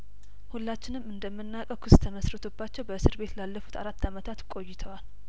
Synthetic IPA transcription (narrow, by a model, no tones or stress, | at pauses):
hulːat͡ʃːɪnɨmɨnd̪əmːɨnːakʼəkʷʰʊst̪ʰəməsɾət̪ʰobːat͡ʃːɛwbəsɨɾbe̞t̪lalːəfu̥t̪a̰ɾat̪ːamət̪ʰat̪kʼo̞jːɪt̪ʰəwal